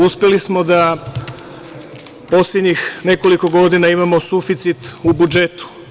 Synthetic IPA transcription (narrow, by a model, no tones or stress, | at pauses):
uspje̞lismo̞d̪a | po̞slʲed̪ɲixne̞ko̞liko̞ɡo̞d̪inaimamo̞sufit̪sit̪ubud͡ʒe̞t̪u̥